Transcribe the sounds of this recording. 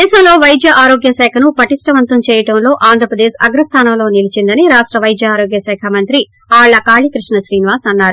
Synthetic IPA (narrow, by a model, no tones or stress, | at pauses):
ɛːʃɐmlo̞ːʋɐjd̪jɐʔaːɾo̞ːɡjɐsɛːkʰɐnupɐʈisʈɐʋɐnt̪ɐmt͡ʃɛːjɐʈɐmlo̞ːʔaːnd̪ʱɾɐpɾɐd̪eːʃɐɡɾɐst̪ʰaːnɐmlo̞ːnilit͡ʃind̪ɐniɾaːʂʈɾɐʋɐjd̪jɐaːɾoːɡjɐsɛːkʰɐmɐnt̪ɾi | aːɭːɐkaːɭikɾiʂɳɐʃɾiːniʋaːsɐnːaːɾu